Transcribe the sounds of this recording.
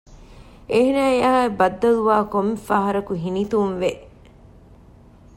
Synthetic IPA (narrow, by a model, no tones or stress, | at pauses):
eɦinæːeɐɦaebɐd̪ːɐluʋaːkomːefaːɦɐɾɐkuɦinit̪umʋeʔ